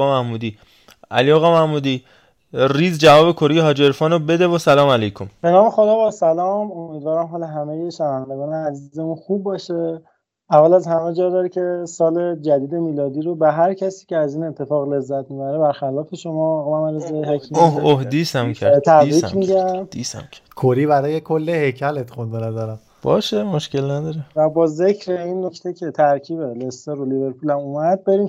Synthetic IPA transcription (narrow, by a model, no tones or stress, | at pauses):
mæhmuːd̪iː | æ̰liɒɣɒːmæhmuːd̪iː | riːzd͡ʒævɒːbekʰoɾejeɦɒːd͡ʒeɾfɒːnobe̞d̪evosælɒːmælejkʰomb̥e̞nɒːme̞xod̪ɒːbɒːsælɒːmomiːd̪vɒːɾæmɦɒːloɦæmejeʃænævænd̪e̞ɡɒːneæzizemunxubːɒːʃe | ævːælæzhæmed͡ʒɒːd̪ɒːɾicʰe̞sɒːle̞d͡ʒæd̪iːd̪e̞miːlɒːd̪iːɾobeɦæɾcʰæsiːceæziːne̞t̪ʰːe̞fɒːɣle̞zːæt̪̚mibæɾebæɾxælɒːfe̞ʃomɒɣmæmæɾizejɦekʰiohd̪isæmʰt̪ʰæbɾimiɟæismʰkʰoɾiːbæɾɒːjekʰolːehejcʰælet̪xund̪enæd̪ɒːɾæm | b̥ɒ̰ːʃemoʃcelnæd̪ɒɾevæbɒːze̞cʰɾeinːocʰt̪ʰecʰe̞t̪ʰæɾcʰiːbelest̪eɾolibe̞ɾpʰulæmumæd̪̚be̞ɾiːm